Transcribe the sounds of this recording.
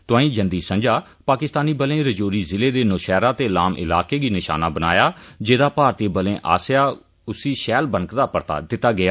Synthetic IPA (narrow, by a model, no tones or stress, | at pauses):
t̪ʊãːĩːd͡ʒənd̪iːsə̃ɲd͡ʒaː | paːkɪst̪aːniːbəlẽːɾəd͡ʒoːɾiːzɪleːd̪eːnʊʃɛːɾaːt̪eːlaːmʔɪ̰laːkeːɡiːnɪʃa̰ːnaːbəna̰ːjaːd͡ʒeːd̪aːpaːɾt̪eːbəlẽːʔa̰ːsjaː | ʊsiːʃɛːlbənkd̪aːpəɾt̪a̰ːd̪ɪt̪ːaːɡɪjaː